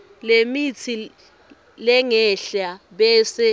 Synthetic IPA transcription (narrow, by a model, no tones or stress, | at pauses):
lemit͡sʰi | lɛŋɛɬaɓɛːsɛ